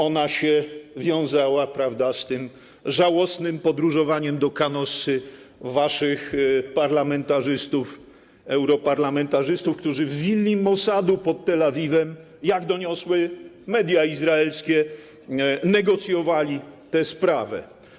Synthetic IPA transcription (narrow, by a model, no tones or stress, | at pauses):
ɔnaɕɛvʲjɔ̃w̃zawapɾavd̪ast̪ɘm | ʐawɔsnɘmpɔd̪ɾuʐɔvaɲɛmd̪ɔkanɔsɘ | vaʂɘxpaɾlamɛnt̪aʐɘst̪uf | ɛwɾɔpaɾlamɛnt̪aʐɘst̪ufkt̪uʐɘvːʲilːimɔsad̪upɔt̪ːɛlavʲivɛm | jaɡd̪ɔɲɔswɘmɛd̪ʲjaizɾaɛlskʲɛ | nɛɡɔt̪sʲjɔvalʲit̪ɛspɾavɛ̰